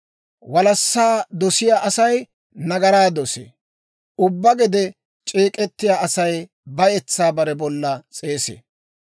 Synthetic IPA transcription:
wɐlɐsːaːd̪ɔsɪjaːʔɐsɐj | nɐɡɐɾaːd̪ɔsḛː | ʊbːɐɡɛd̪ɛ | t͡ʃʼiːkʼɛt̪ːɪjaːʔɐsɐj | bɐjɛt͡sːaːbɐɾɛbɔlːɐt͡sʼe̞ːsḛː

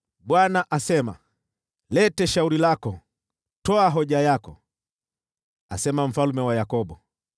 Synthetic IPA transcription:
ɓwanaʔasɛma̰ | lɛtɛʃauɾilakɔ | tɔaɦɔʄajakɔ̰ | a̰sɛmam̩falumɛwajakɔɓɔ

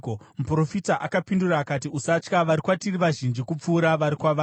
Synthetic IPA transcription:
mupro̞fitaʔakapinduraːkatiusat͡ʃkaʋaɾikwatiriʋaʒind͡ʒikup͡fuːɾaʋaɾikwaʋa

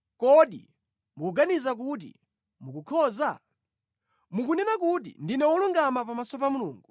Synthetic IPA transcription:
kɔɗḭ | mukuɡanizak̬ut̬ḭ | mukukʰɔːza | mukunɛnak̬ut̬ḭndinɛwɔluŋɡamapamasɔp̬amuluːŋɡu

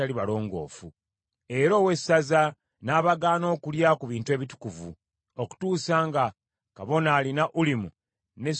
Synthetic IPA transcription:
aliβalo̞ːŋɡo̞̰ːfu | e̞ɾo̞ːwe̞saza | naːβaɡaːno̞ːkuljakuβiːntue̞ːβitu̥kuvṵ | o̞ku̥tuːsaːŋɡa | kaβo̞naːlinaʔulimu | ne̞

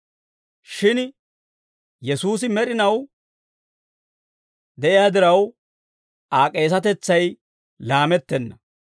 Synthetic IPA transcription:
ʃɪn | jɛsuːs̬ɪmɛɗɪnɐw | d̪ɛʔɪjaːd̪ɪɾɐw | ʔaːkʼeːs̬ɐt̪ɛt͡sːɐj | laːmɛt̪ːɛnːɐ

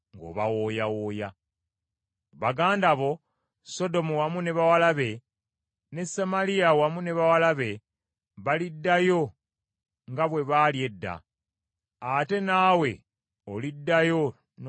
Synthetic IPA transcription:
ŋɡo̞̰ːβa̰woːjawoːja | βaɡaːndaβo̞ | so̞do̞muwamune̞βawalaβe̞ | ne̞samaliawamune̞βawalaβe̞ | βalidːajo̞ | ŋɡaβwe̞βaːlje̞dːa̰ | ate̞naːwe̞ | olidːajo̞ | n

